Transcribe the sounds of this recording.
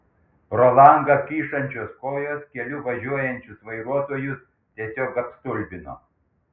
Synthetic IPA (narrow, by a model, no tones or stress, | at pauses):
ɾolˠɑˑŋɡɐkʲiːʃɐnʲt͡ʃʲoːskoːjoːskʲɛlʲʊʋɐʒʲuɔjɛnʲt͡ʃʲʊsʋɐɪɾuɔt̪oːjʊs | t̪ʲiɛsʲoːkɐpst̪ʊlʲbʲɪno̰ː